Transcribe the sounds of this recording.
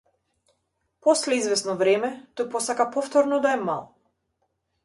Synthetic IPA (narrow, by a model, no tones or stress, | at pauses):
pɔslɛizvɛsnɔvɾɛmɛt̪ɔjpɔsakapɔft̪ɔɾnɔd̪aɛma̰lˠ